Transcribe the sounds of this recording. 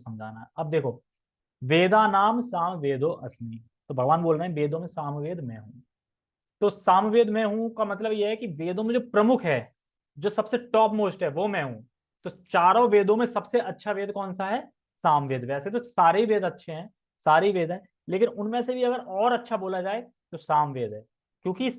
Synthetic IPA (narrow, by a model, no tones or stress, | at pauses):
sɐmd͡ʒʱa̰ːnaɦɛɐb̚d̪eːkʰoː | ʋeːd̪aːnaːmsaːmʋeːd̪ʱoʔɐsmi | t̪oːbʱɐɡʋaːnboːlɾeɦɛ̃ʋeːd̪ʱõmẽsaːmʋeːd̪ʱmɛ̰̃ɦũ | t̪oːsaːmʋeːd̪ʱmɛ̃ɦũkamɐt̪ləbjeɦɛkiʋeːd̪õmẽd͡ʒoːpɾɐmʊkʰɦɛː | d͡ʒoːsɐbseʈɔːpmoːsʈɦɛʋomɛ̃ɦũ | t̪ot͡ʃaːɾõʋeːd̪õmẽsɐbseʔɐtːʃʰaʋeːd̪ʱkɔːnsaɦɛ | saːmʋeːd̪ʋɛːset̪osaːɾeɦiʋeːd̪ɐtːʃʰeɦɛ̃ː | saːɾeɦiʋeːd̪ʱɦɛ̃ː | leːkɪnʊnmẽsebʱiɐɡəɾɔːɾɐtːʃʰaboːlad͡ʒaːe | t̪osaːmʋeːd̪ʱɦɛː | kjõːki